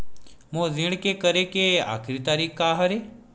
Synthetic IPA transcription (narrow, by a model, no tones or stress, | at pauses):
mõzɪɽ̃kekəɾekea̰ːkʰɾit̪aːɾiːkʰkaɦəɾe